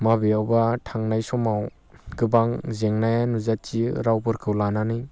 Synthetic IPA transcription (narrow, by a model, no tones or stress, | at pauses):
mabiawbatʰaŋnajsɔmaw | ɡ̥ɯbaŋzeŋnajanuzatt͡ʃiɾawbɯɾkʰɯwlananɯ